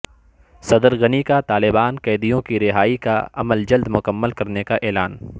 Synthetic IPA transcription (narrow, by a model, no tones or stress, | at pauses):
sɐd̪əɾɣɐnikat̪aːlɪbaːnkɛːd̪ijõkiɾɪɦaːikaɐ̰məld͡ʒɐld̪mʊkəmːəlkɐɾnekaʔɛːlaːn